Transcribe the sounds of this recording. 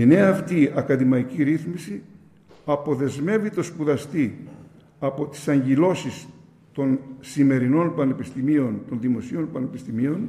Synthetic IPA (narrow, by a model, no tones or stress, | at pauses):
ine̞ɐːft̪iɐkɐðimɐiciɾiθmisi | ɐpo̞ðe̞zme̞vit̪o̞spuðɐst̪i | ɐpo̞t̪i̥sɐɲʝilo̞sis | t̪o̞nsime̞ɾino̞npɐnepist̪imio̞nt̪o̞nðimo̞sio̞npɐne̞pi̥st̪imio̞n